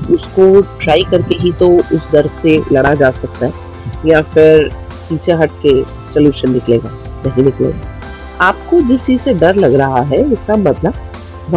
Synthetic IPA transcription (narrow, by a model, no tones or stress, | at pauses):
ʊskoʈɾaːikɐɾkeɦit̪oʊsd̪ɐɾselɐɽad͡ʒaːsɐk̚t̪aɦɛ | jãfɪɾ | piːt͡ʃʰeɦɐʈ̚ke | sɐljuːʃənːɪklḛːɡaːnɐɦĩnɪklḛːɡaː | aːp̚kod͡ʒɪst͡ʃiːzseɖɐɾlɐɡɾɐɦaɦɛɪskamɐt̪ləb | ʋ